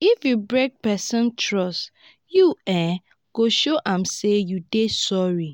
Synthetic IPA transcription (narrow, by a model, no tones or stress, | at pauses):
ifjubɹek̚pɛsɔ̃ntʰɹɔst | juɛ | ɡ̥oʃoʔãmsejudesɔɹi